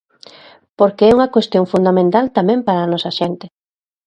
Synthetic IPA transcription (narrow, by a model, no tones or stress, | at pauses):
poɾkeɛuŋɐkwest̪joŋfund̪amẽnt̪alt̪amɛ̃mpaɾaːnɔsɐʃɛnt̪ɪ